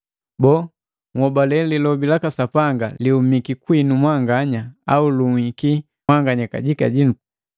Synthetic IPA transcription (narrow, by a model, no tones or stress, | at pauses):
bɔ | ŋwɔbalɛlilɔbilakasapaŋɡaliumikikwinumwaŋɡaɲaa̰uluŋhiki | aŋɡaɲaka̰ɟika̰ɟinu